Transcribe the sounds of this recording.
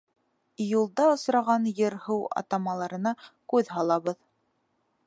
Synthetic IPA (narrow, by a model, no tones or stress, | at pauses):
julˠd̪ɑŏsɾɑʁɑnjɤɾhɤwɑ̰t̪ɑmɑlˠɑɾɤ̆nɑkʉðɦɑlˠɑβɤð